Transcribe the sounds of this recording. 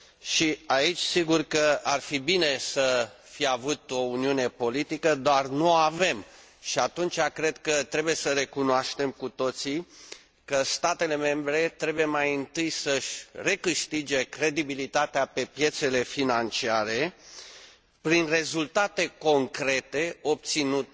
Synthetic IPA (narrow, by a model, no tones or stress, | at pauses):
ʃiait͡ʃʲsiɡurkəarfibine̞sə | fijavut̪o̞uniune̞po̞lit̪ikəd̪oarnuoave̞m | ʃiat̪unt͡ʃakɾe̞d̪kət̪ɾe̞buje̞səɾe̞kunoaʃt̪e̞mkut̪o̞t̪si | kəst̪at̪e̞le̞me̞mbɾe̞t̪ɾe̞buje̞majɨnt̪ɨjsəʃʲre̞kɨʃt̪id͡ʒe̞kɾe̞d̪ibilit̪at̪eape̞pje̞t̪se̞le̞finant͡ʃiaɾe̞ | pɾinre̞zult̪at̪e̞ko̞ŋkɾe̞t̪e̞o̞p̚t̪sinut̪